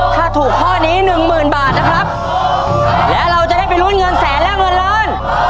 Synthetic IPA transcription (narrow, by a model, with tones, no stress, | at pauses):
t̪ʰaː˥˩t̪ʰuː˨˩k̚t̪ʰɔː˥˩niː˦˥nɯ˨˩ŋmɯː˨˩nbaː˨˩t̪̚na˦˥kʰɾa˦˥p̚ | lɛː˦˥wɾa˧wt͡ɕa˨˩da˥˩jpa˧jɾu˦˥˨nŋɤ˧nsɛː˩˦nlɛ˦˥wŋɤ˧nlɤː˦˧˥n